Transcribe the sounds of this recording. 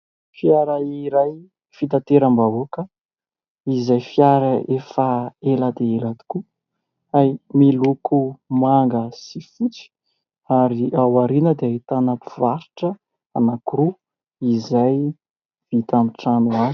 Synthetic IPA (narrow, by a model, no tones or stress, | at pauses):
fjaɾaiɾaj | fit̪at̪eɾambavokə | izajfjaɾaefaelad̪eelad̪i̥ku | ajmilukumaŋɡəsifut͡si̥ | aɾiawaɾinəd̪eait̪anapivaɾiʈ͡ʂə | anakuɾu | izaj | v̥it̪amiʈ͡ʂanuaz